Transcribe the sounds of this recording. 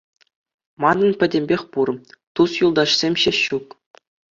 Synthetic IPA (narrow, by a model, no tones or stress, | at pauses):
mɑnːɤ̆npʲɘ̆dʲemʲbʲexʲpurt̪usjulˠd̪ɑɕsʲemʲɕeɕuk